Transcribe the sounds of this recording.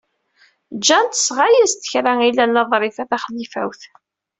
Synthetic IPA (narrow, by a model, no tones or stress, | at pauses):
d͡ʒænt̪ə̥sʁajæzt̪ə̥çɾæilælːɑðˤɾˤɪfæθæχlːifæ̰wθ